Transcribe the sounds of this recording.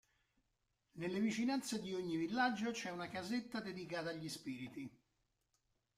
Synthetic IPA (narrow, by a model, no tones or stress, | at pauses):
nelːevit͡ʃinant̪sed̪ioɲːivilːad͡ʒːot͡ʃɛunakazet̪ːad̪ed̪ikaːt̪aːʎːispiːɾit̪i